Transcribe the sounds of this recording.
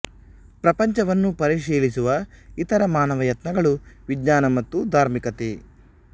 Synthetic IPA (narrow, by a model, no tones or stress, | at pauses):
pɾɐpɐɲt͡ʃɐʋɐnːupɐɾiʃiːlisuʋɐit̪ɐɾɐmaːnɐʋɐjɐt̪nɐɡɐɭuʋiɡɲaːnɐmɐt̪ːud̪ʱaːɾmikɐt̪e